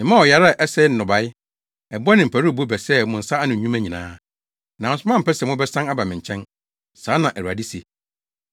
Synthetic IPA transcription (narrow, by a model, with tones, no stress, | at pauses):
mɪ̃˨mã˦ɔ˨ja˨ɾa˦˨ʔɛ˦sɛ˦n˦nʊ̃˨ba˨ɪ˦ | ɛ˨bɔ˦nɪ̃˨m̩˨pʰæ˨ɾu˦˨bo˦bɛ˨sɛ˦mʊ̃˨n̩˨sa˦a˦nʊ̃˨ɲũ˦mæ˦ɲĩ˨nã̰ː˦ | nã˨sʊ˦mã˦m̩˨pʰɛ˦sɛ˨mʊ̃˦bɛ˦sã˦na˦ba˨mɪ̃˨ɲ˨t͡ɕʰɛ̃˦n | sãː˨˦nã˨ʔæ˨ɾu˨a˨di˦se˨